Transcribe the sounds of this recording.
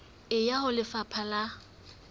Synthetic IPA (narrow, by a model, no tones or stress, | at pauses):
ɪjahʊlɪfapʰala